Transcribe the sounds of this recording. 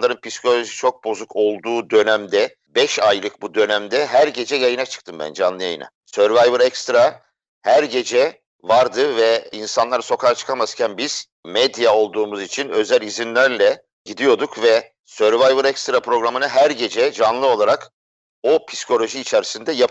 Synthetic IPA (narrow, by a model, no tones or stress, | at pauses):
lˠaɾɯnpʰiskʰo̞lʲo̞ʒit͡ʃʰo̞k̚bo̞zukʰo̞lˠd̪uːd̪ø̞næmd̪ɛ | bɛʃajlˠɯk̚bud̪ø̞næmd̪ɛɦæɾɟe̞d͡ʒɛjajɯnat͡ʃʰɯ̥k̚t̪ʰɯmbæ̰nd͡ʒanlˠɯja̰jɯ̰na̰ | søɾvajbɯɾɛkst̪ɾa | hæɾɟe̞d͡ʒɛ | vaɾd̪ɯvɛinsanlˠaɾɯso̞kʰaɾt͡ʃʰɯ̥kʰamazcʰænbiz̥ | mɛd̪jao̞lˠd̪uːmuzit͡ʃʰinø̞zælʲizinlʲæɾlʲɛ | ɟid̪ijo̞d̪ukvɛ | søɾvajbɯɾɛkst̪ɾapʰɾo̞ɡɾamɯnɯɦæɾɟe̞d͡ʒɛd͡ʒanlˠɯo̞lˠaɾak | o̞pʰiskʰo̞lʲo̞ʒiːt͡ʃʰeɾisind̪ɛjap